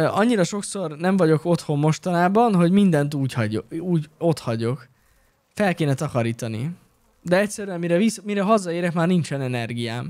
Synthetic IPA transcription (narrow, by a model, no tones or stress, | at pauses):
ɒɲːiɾɒʃo̞kso̞rnɛɱvɒɟo̞ko̞t̪ho̞mːo̞ʃt̪ɒnaːbɒnɦo̞ɟmind̪ɛnt̪uːchuːɟo̞t̪hɒɟo̞k | fɛlkeːnɛt̪ɒkɒɾiːt̪ɒnḭ | d̪ɛɛct̪sɛɾyɛmiɾɛvismiɾɛɦɒzɒeːɾɛkmaːrnint͡ʃɛnɛnɛrɡijaːm